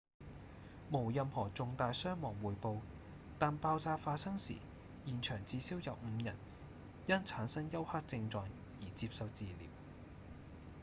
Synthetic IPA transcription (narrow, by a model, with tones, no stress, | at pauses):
mo˨˩wjɐ˧mhɔː˨˩t͡sʊ˨˧ŋt̪aː˨˧jsœː˥ŋmɔː˨˩ŋwuː˨˩jpo˧w | t̪aː˨npaː˧wt͡saː˧faː˧t̚sɐ˥ŋsḭː˨˩ | jiː˨˩nt͡ʃʰœː˨˩ŋt͡siː˧siː˥wjɐ˨wm̩˨˧jɐ̰˨˩n | jɐ˥nt͡sʰaː˨˥nsɐ˥ŋjɐ˥whaː˥k̚t͡sɪ˧ŋt͡ʃɔː˨˧ŋ | jiː˨˩t͡siː˧p̚sɐ˨wt͡siː˨˧lḭː˨˩w